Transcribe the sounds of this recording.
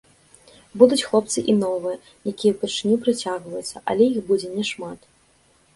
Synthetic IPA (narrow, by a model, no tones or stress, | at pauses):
bud̪ut͡sʲxlˠɔp̚t̪sɨʔinɔvɨjɐ | jakʲijɛwpʲɛʂɨnʲupɾɨt͡sʲaɣvɐjut̪sːɐʔɐ̰lʲɛjixbud͡zʲɛnʲɛʂmat̪